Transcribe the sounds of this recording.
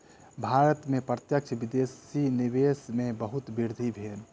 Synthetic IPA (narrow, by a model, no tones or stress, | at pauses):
bʱaːɾət̪mẽpɾət̪jək̚t͡ʃʰʋɪd̪eːsinɪʋeːsmẽbəɦʊt̪bɪɾd̪ʱibʱeːn